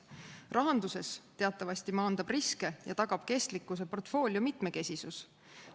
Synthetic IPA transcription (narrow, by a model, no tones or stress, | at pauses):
rʔɑɦɑnd̪̥use̞st̪e̞ɑt̪ˑːɑvɑsʲt̪imɑːnd̪̥ɑb̥riske̞jɑ̰t̪ɑɡ̥ɑb̥ke̞st̪likːˑus̬e̞po̞rt̪ːˑfo̞ːlʲjumit̪ˑme̞ke̞sʲisus